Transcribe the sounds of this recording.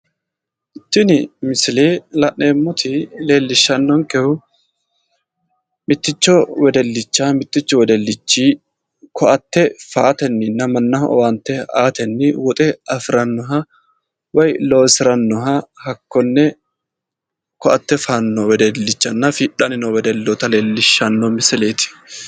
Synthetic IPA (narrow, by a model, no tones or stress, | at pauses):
ʔɪt̪ːɪnɪmɪsɪleːlɐʔneːmːʊt̪ʰɪle̞ːlːɪʃːɐnːɔŋkɛhʊ | mɪt̪ːɪt͡ʃːɔwɛd̪ɛlːɪt͡ʃːamɪt̪ːɪt͡ʃːɔwɛd̪ɛlːɪt͡ʃːiː | kʰɔʔɐt̪ːɛfaːt̪ɛnːɪnːɐmɐnːɐhɔ̰want̪ːɛaːt̪ɛnːɪwɔt̪ʼɛɐfɪɾɐnːɔɦɐ | wɐjloːsɪɾɐnːɔɦɐhɐkːɔnːɛ | kɔʔɐt̪ːɛfaːnːɔwɛd̪ɛlːɪt͡ʃːɐnːɐfiːᶑɐnɪnɔwɛd̪ɛlːɔt̪ɐle̞ːlːɪʃːɐnːɔmɪsɛle̞ːt̪ɪ̥